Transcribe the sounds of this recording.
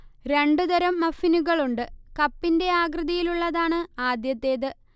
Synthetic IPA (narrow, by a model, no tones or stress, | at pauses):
ɾe̞ɳɖud̪ɐɾɐmːɐfinuɣɐɭuɳɖɨkɐpːinde̞aːɡrɨðɐjiluɭːɐðaːɳɨaːd̪jɐt̪ːe̞ːðɨ